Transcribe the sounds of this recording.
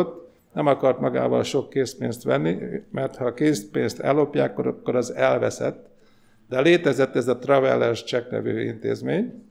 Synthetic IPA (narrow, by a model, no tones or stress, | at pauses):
ot̪ː | nɛmɒkɒrt̪mɒɡa̰ːvɒ̰lʃo̞kːeːspeːnst̪ʋɛnːimɛrt̪hɒkeːspeːnst̪ɛ̰lːo̞pjaːkːoɾɒkːo̞ɾɒzɛlvɛsɛ̰t̪ː | d̪̥ɛleːt̪ɛzɛt̪ːɛzɒt̪rɒvɛ̰lːɛʃt͡ʃɛknɛ̰vyːint̪ḛːzmeːɲ